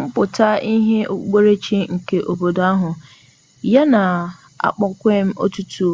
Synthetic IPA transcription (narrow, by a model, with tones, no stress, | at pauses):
ŋ͡m̩˦pʊ˨ta˦ʔi˦ɦe˦ʔo˨˦k͡pe˦ɾe˦t͡ʃi˦ŋ̩˨ke˨ʔo˨bo˨da˦ɦʊ˨ | ja˦na˨ | a̰˨k͡pɔ˦kʷe˦m̩˦o̰˦tu˦tʰu˦